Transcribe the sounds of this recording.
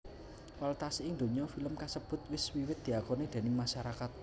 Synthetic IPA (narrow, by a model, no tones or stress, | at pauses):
walut̪asiɪŋnd̪o̤ɲɔfiləmkasəb̥ʊ̤t̪̚wɪswiwɪt̪̚d̪̥i̤akoned̪̥a̤nimaʃaɾakat̪̚